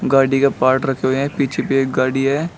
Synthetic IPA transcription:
ɡaːɽikapaːɾʈɾɐkʰeɦoɦɛ̃piːt͡ʃʰepeekɡaːɽiɦɛː

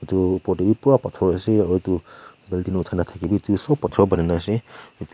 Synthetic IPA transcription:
itupɔdibipuɹapatʰɔɹɔasɛautubɛldinɔutʰanatʰakibitusɔbpːatʰɔɔbanɛnaasɛit

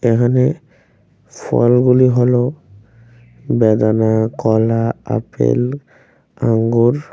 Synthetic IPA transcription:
ekʰane | fʰɔlɡuliɦɔlo | bɛd̪anakɔlaa̰pḛl | aŋɡuɾ

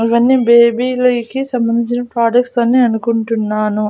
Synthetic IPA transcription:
iʋɐnːibeːbiːlɐkisɐmbɐnd̪iɲt͡ʃinɐpɾaːɖɐkʈsɐnːiɐnukuɳʈunːaːnu

